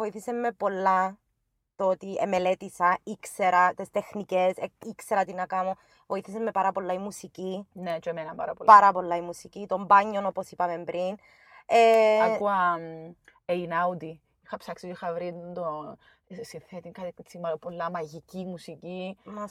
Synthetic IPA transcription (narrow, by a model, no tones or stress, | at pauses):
voiθisemːe̞po̞lːɐ | t̪ot̪iḛmelet̪isɐikseɾɐt̪est̪exniceseikse̞ɾɐt̪inɐkɐmo | voiθisemːe̞pɐɾɐpo̞lːɐimusicinet͡ʃoemenɐmpɐ̰ɾɐ̰polpɐɾɐpo̞lːɐimusicit̪o̞mbɐɲːo̞no̞po̞sipɐme̞mbɾʔin | eɐkuɐ | einɐwd̪i | ixɐpsɐksitoixɐvɾid̪o | sinθet̪iŋkɐt̪ikt͡simɐlopolːɐmɐʝicimusicimɐs